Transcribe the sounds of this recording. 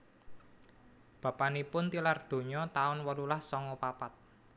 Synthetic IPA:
b̥ä̤panipʊnt̪ilard̪̥o̤ɲɔt̪aʊnwɔlulahsɔŋɔpapat̪̚

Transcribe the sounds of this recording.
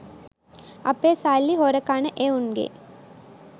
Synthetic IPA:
ɐpeːsalːiɦoɾəkanəʔeunɡḛ

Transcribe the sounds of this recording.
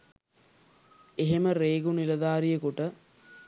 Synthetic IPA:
eɦeməɾeːɡunilɐd̪aːɾijəkuʈə

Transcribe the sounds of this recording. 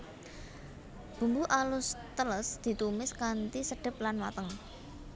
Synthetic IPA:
b̥ṳmbuʔalʊst̪ələsd̪̥i̤t̪umɪskant̪isəɖ̥ɪ̤p̚lanwa̰t̪əŋ

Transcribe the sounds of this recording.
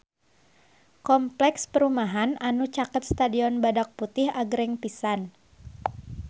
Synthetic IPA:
kɔmplɛkspəɾumaɦananut͡ʃakət̪̚st̪adiɔnbadak̚put̪ɪhaɡɾɛŋpisan

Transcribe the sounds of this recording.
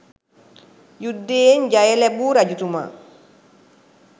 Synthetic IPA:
judːeɲɟajɛlɛbuɾaɟutuma̰

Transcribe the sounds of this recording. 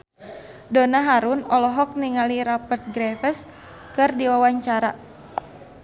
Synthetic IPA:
donaɦaɾunɔlɔɦɔk̚niŋaliɾapərt̪̚ɡɾɛfəs | kɨrdiwawaɲt͡ʃaɾa

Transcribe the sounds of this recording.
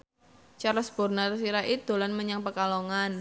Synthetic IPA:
t͡ʃaɾɔsb̥ɔ̤rnatəsiɾaʔit̪ṳlanməɲaŋpəkaloŋan

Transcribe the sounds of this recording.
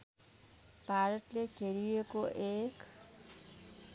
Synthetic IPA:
paɾʌʈleɡʱeɾijekoʔek

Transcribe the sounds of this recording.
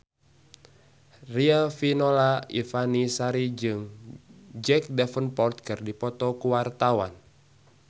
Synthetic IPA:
riafinolaifanisaɾid͡ʒɨŋ | d͡ʒɛk̚dɛfənpɔrt̪̚kɨrdipɔt̪ɔkuwart̪awa̰n

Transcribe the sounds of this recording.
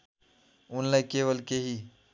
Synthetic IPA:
ʊnlaːikeːʋəlkeːɦiː

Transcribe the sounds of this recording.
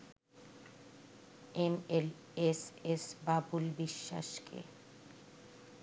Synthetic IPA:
emel | esesbabulbiʃːa̰ʃkʰḛ

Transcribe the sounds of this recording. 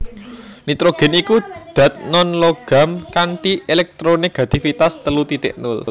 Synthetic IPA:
nit̪ɾoɡ̥ɛ̤nikud̪̥ä̤t̪̚nɔnloɡ̥a̤mkaɳʈielɛk̚t̪ɾoniɡ̥a̤t̪ifit̪ast̪əlut̪it̪ɪ̰ʔnʊ̰l

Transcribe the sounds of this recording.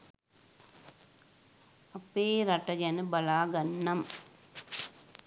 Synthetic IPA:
ɐpːeːɾɐʈːɐɡanɨbɐlaːɡɐnːɐm

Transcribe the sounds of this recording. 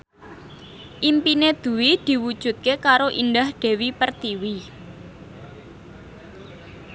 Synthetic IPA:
ʔimpined̪̥ṳwid̪̥i̤wud̥ʒ̥ṳt̪̚kekaɾoʔind̪ahɖ̪̥e̤wipərt̪iwi

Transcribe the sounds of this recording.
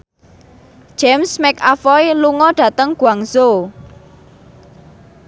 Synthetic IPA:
ʒ̥ɛmsmɛkafɔjluŋɔɖ̥ä̤t̪əŋɡ̥uaŋso

